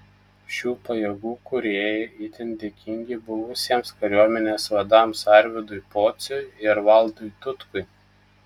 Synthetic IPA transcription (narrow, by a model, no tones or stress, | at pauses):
ʃʲuːpɐjɛɡuːkʊɾʲeːjɛit̪ʲɪnd̪ʲeːkʲɪŋʲɡʲɪbʊʋʊsʲiɛmskɐɾʲuɔmʲɛnʲeːsʋɐd̪ɑmsɐɾʲʋʲɪd̪ʊɪpoːt̪sʲʊɪɪɾʋɐlˠd̪ʊɪt̪ʊt̪kʊɪ